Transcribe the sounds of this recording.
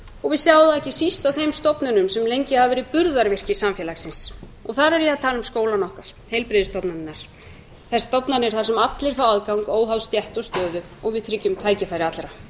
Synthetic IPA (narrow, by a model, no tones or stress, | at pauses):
ɔɣvɪðsjawðaɛhcɪsist̪awθejmst̪ɔpnʏnʏmsɛmlejɲcɪhavavɛːɾɪpʏɾðaɾvɪr̥cɪsamfjɛːlaxsɪnsɔɣθaɾɛɾjɛaðt̪ʰaːlʏmskoːwlanɔhkaɾ̥ | hejlpɾɪðɪst̪ɔpnaɾɪnːaɾ̥ | θɛsːḁst̪ɔpnanɪɛɾ̥θaɾ̥sɛmat̪lɪɾ̥fawaðkawŋkoːwɦawst̪jɛht̪ɔst̪œːðʏ | ɔɣvɪðθʰɾɪcːʏmt̪ʰaːjcɪfajɾɪat̪lɾa